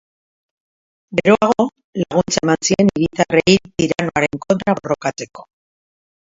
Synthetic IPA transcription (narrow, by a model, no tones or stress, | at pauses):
ɡe̞ɾoaɣ̞o | laɣ̞unt͡saemansie̞niɾit̪arejpiɾano̞aɾe̞ŋko̞nt̪ɾaβo̞ro̞kat͡se̞ko̞̥